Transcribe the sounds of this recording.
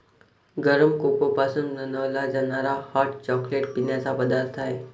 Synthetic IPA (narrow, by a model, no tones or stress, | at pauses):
ɡəɾəmkokopaːsə̃nd̪nənɔːlad͡ʒɐnaːɾahaːɾʈt͡ʃɔːkleːʈpinesabɐd̪aɾt̪aɦɛː